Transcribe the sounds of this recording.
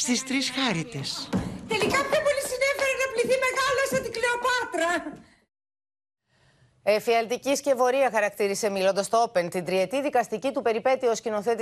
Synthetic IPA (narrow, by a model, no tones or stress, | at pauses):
st̪ist̪ɾisxɐɾit̪est̪e̞likɐpçopo̞lisinefeɾenɐpliθime̞ɣɐlosɐt̪ikleopɐt̪ɾɐ | efiɐlt̪icisce̞vo̞ɾiɐxɐɾɐkt̪iɾise̞milo̞nd̪ɐst̪oope̞nt̪ind̪ɾie̞t̪iðikɐst̪icit̪upe̞ɾipe̞t̪io̞scino̞θe̞t̪